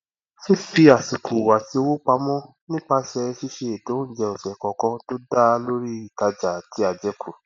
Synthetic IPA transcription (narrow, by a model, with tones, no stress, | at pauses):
si˦fi˧a˨si˨kʰu˨wa˨ti˨˦o˦wo˦k͡pa˧˦mɔ̃˦ | nĩ˦k͡pa˧ʃɛ˧ʃi˦ʃe˧e˨to˨˦n̩˦d͡ʒɛ˧o˨sɛ˨kɔ̃˨kɔ̃˧to˦da˦˧lo˦ɾi˦i˨ka˧d͡ʒa˨ti˨˦a˧d͡ʒɛ˦kʰu˨